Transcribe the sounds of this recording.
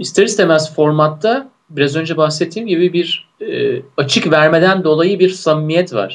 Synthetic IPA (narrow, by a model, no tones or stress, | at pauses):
ist̪ʰeɾisd̪emɛzfo̞ɾmat̪ːa | biɾazø̞nd͡ʒɛbaxset̪ʰːiːmɟibibiɾ | at͡ʃʰɯkvæɾme̞d̪ænd̪o̞lˠajɯbiɾsamːijɛt̪va̰ɾ̥